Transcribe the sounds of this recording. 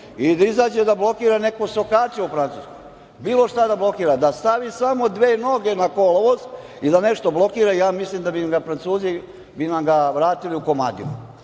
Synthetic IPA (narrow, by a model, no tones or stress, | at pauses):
id̪aizaːd͡ʑed̪ablˠo̞kiːɾane̞kosokaːt͡ʃeufɾant̪ṵːskoj | biːlˠo̞ʃt̪ad̪ablˠo̞kiːɾad̪ast̪aʋisamo̞d̪ʋe̞ːno̞ɡe̞nakoloʋozid̪ane̞ʃt̪o̞blˠo̞kiːɾajaːmislimd̪abimɡafɾant̪suːzi | binamɡaʋɾaːt̪iliuko̞ma̰ːd̪ḭṵ